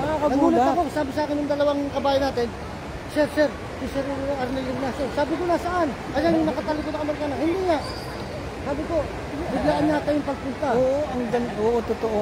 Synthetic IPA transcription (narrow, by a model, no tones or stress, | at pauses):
mɐakɐnɐɡɡuːlɐt̪ɐkosaːbɪsaːkɪnjʊŋd̪ɐlɐwaŋkɐbaːjɐnaːt̪ɪn | sɛɾsɛɾ | sɪsɛɾɐɾnɛlɪɡnasɛsaːbɪkonasɐʔan | ʔɐjanjʊŋnɐkɐt̪ɐlɪkoɐkɐmɐɾkaːnɐhɪnd̪iŋaʔ | saːbɪko̞ | bɪɡlaːʔɐnɲat̪ajʊŋpɐɡ̚pʊnt̪aoːʔoʔɐŋd̪ɐnoːʔot̪ʊt̪oʔo